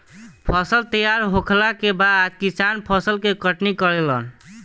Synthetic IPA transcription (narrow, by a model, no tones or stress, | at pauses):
pʰəsəlt̪əjaɾɦokʰlakebad̪ad͡ʒkisanpʰəsəlkekəʈnikəɾelən